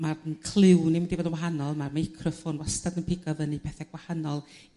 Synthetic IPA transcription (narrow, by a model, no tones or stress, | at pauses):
marnkʰl̥ˠɪwniwindibɔdənwaɦanɔlˠmarmaɪkʰrɔfʊnwastadənpʰɪɡɔvənipʰɛθɛɡ̥wahanɔlˠ